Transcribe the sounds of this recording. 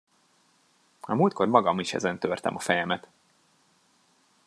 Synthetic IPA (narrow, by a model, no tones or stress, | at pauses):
ɒmuːlt̪̚ko̞rmɒɡɒmiʃɛ̰zɛnt̪ørt̪ɛ̰mɒfɛjɛmɛt̪